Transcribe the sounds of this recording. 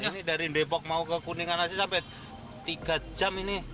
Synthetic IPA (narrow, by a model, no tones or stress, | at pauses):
inidaɾindepɔk̚maukəkuniŋanas̬isampɛ | t̪iɡ̥ad͡ʒamini